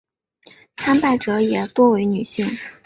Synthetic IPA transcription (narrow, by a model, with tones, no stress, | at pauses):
t͡sʰa˥npa˥˩ɪʈ͡ʂɤ˧˥jɛ˨˩t̪wɔ˥we˧˥ɪny˨˩ɕi˥˩ŋ